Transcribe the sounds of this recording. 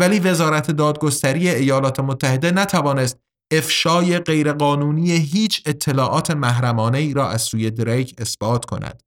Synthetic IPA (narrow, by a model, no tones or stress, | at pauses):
væliːve̞zɒːɾæt̪ʰe̞d̪ɒːd̪̚ɡost̪æɾije̞ːjɒːlɒːt̪ʰe̞mot̪ʰːæhe̞d̪e̞næt̪ʰævɒːnest̪̚ | e̞fʃɒːje̞ɢe̞jɾe̞ɢɒːnuːnijeɦiːt͡ʃʰe̞t̪ʰːe̞lɒːʔɒːt̪ʰe̞mæhɾæmɒːne̞iːɾɒːʔæz̥suːje̞d̪ɾejkʰe̞sb̥ɒːt̪ʰkʰo̞̰næ̰d̪̥